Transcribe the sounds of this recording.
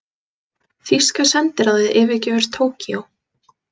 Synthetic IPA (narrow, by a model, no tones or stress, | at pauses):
fiskasɛnt̪ɪɾaðvɪðʔɪːvɪcɪvɛɾ̥t̪ʰoːwciow